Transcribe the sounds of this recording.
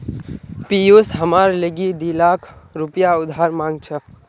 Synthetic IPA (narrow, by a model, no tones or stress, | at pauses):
pijosɦəmaɾləɡid̪ilakʰɾupjaʊd̪ʱɦaɾmãŋɡ̚t͡ʃʰə